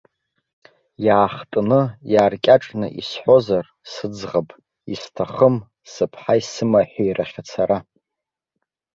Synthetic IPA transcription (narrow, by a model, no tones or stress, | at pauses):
jaːχtʼnɨjaːrkʲʼaʈ͡ʂʼnɨʔḭsħʷo̞zar | sɨd͡zʁapʼ | istʰaχəm | sɨpʰħaisɨmaħʷᶣijraχʲat͡sʰaɾa